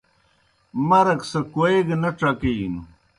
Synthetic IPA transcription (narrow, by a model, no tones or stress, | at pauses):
mɐɾɐksɐkoeɡnɐʈ͡ʂɐkin